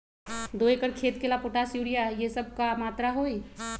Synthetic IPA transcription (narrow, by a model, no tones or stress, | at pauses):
d̪oːekəɾkʰeːt̪kelapoːʈasjuːɾijajesəb̚kamaːt̪ɾaɦoi